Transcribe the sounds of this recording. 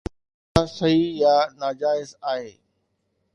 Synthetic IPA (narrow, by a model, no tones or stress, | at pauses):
asɐɦijaːnaːd͡ʑaːɪzaːɦeː